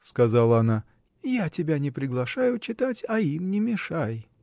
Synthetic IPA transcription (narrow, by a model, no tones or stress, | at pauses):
skɐzalˠəɐna | jatʲɪbʲanʲɪpɾʲɪɡlˠɐʂajʊt͡ɕɪt̪atʲɐimnʲɪmʲɪʂaj